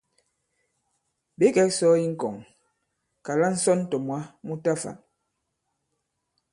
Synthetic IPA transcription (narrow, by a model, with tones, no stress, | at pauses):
be˨˦kɛ˦sɔ˦i˦ŋ̩˦kɔ˨ŋ | ka˨la˦n̩˦sɔ˦n˦tɔ˨mwa˦mu˦ta˦fa̰˨n